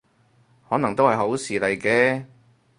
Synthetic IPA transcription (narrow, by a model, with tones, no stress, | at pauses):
hɔː˨˥nɐ˨˩ŋt̪o˥whɐ˨jɦo˨˥wsiː˨lɐ˨jkɛː˧